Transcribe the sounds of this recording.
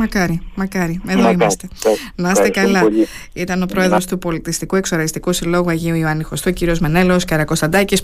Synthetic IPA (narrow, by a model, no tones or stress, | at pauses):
mɐkɐɾimɐkɐɾieðoimɐst̪e̞nɐst̪ekɐlɐit̪ɐno̞pɾo̞e̞ðɾo̞st̪upo̞lit̪ist̪ikue̞kso̞ɾɐɣist̪ikusilo̞ɣuɐʝiuiuɐnixo̞st̪uociɾio̞zmene̞lo̞skɐɾɐko̞st̪ɐnd̪ɐcis